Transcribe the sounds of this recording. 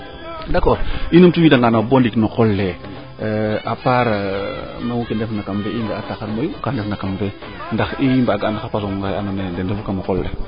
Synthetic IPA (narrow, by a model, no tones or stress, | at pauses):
dakɔɾinumtuwidaŋɡanabondiknokolːe | apaɾ | nawukendefnakambeiŋɡaataxaɾmojukandefnakambe | ndaximbaɡaanaxapas̬oŋŋɡajanonendendefukamokolːḛ